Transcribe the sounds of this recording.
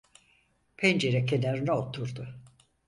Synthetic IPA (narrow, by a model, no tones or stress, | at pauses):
pʰend͡ʒeɾɛkʰenaɾɯnɛot̪ʰuɾd̪ʊ